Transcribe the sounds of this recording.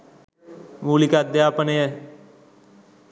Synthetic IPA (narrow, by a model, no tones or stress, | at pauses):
muːlikad̪eaːpəneːɛː